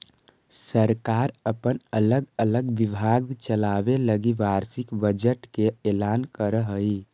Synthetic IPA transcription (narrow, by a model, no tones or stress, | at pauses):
səɾkaɾəpənələɡələɡʋibʱaɡt͡ʃəlabeləɡiʋaɾsikbəd͡ʒəʈkeelankəɾəɦəi